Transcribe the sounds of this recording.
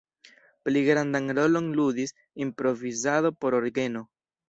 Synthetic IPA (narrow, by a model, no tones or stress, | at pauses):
pliɡɾand̪aŋɾo̞lonlud̪is | impɾo̞vizaðo̞po̞ɾoɾɡe̞no